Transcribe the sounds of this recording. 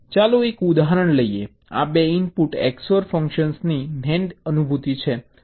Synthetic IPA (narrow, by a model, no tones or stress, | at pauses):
t͡ʃalũekud̪aɦɾəɳləie | a̰beinpuʈḛksoɾfəŋkʃənsninɛɳɖənubʱut̪it͡ʃʰe